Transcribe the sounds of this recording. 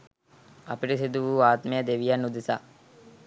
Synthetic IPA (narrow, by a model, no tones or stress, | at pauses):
ɐpiʈəsid̪uʋuːaːt̪mejəd̪eʋijanːud̪isa